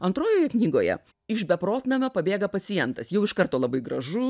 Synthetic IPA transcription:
ɐnt̪ɾoːjoːjɛknʲiːɡoːjɛ̰ | ɪʃbʲɛpɾoːt̪nɐmʲopɐbʲeːɡɐpɐsʲɪjɛnt̪ɐsjɛʊɪʃkɐrt̪oːlˠɐbɐɪɡɾɐʒʊ

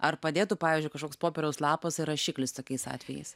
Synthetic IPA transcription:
ɐrpɐd̪ʲeːt̪ʊpɑːʋʲiːzʲd͡ʒʊɪkɐʃkoːkspoːpʲɛɾʲɛʊslˠɑːpɐsɪɾɐʃʲiːklʲɪst̪oːkʲɛɪsɑ̰ːt̪ʲʋʲɛjɛ̰ɪs

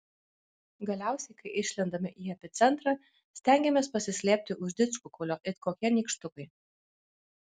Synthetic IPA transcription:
ɡɐlʲæˑʊsʲɛɪkɐɪʔɪʃʲlʲɪnd̪ɐmʲɪʔiːɛpʲɪt̪sʲɛnt̪ɾɑː | sʲt̪ʲæŋʲɡʲɛmʲeːspɐsʲɪsʲlʲeːpʲt̪ʲɪʔʊʒʲd̪ʲɪt̪skʊkʰʊlʲoːʔɪt̪koːkʲiɛnʲiːkʃt̪ʊkɐɪ

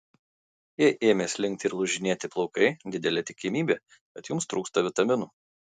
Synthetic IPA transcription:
jiɛʔeːmʲeːslʲɪŋʲkt̪ʲɪɾlˠʊʒʲɪnʲeːt̪ʲɪplˠɔʊkɐɪd̪ʲɪd̪ʲɛlʲɛt̪ʲɪkʲɪmʲiːbʲe | kʲɐt̪jʊmst̪ɾuːkst̪ɐʋʲɪt̪ɐmʲɪnuː

